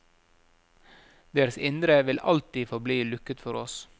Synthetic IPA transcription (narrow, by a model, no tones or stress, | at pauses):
d̪eːɾəsɪnd̪ɾəʋɪlʔɑ̰lt̪iːfɔbliːlʉkət̪fɔɾɔs